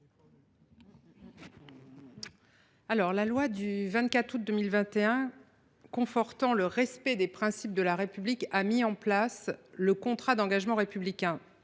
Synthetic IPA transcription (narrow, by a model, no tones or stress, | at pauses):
alɔʁlalwad̪yvɛ̃t̪̚kat̪χut̪̚d̪əmilvɛ̃t̪eɛ̃ | kɔ̃fɔʁt̪ɑ̃ləʁɛspɛd̪epχɛ̃sip̚d̪əlaʁepyblikamiɑ̃plasləkɔ̃t̪χad̪ɑ̃ɡaʒmɑ̃ʁepyblikʲɛ̃